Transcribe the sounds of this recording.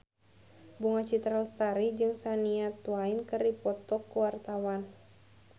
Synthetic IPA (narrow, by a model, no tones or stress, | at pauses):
buŋat͡ʃit̪ɾalst̪aɾid͡ʒɨŋsaniat̪uainkɨrdipɔt̪ɔkːuwart̪awan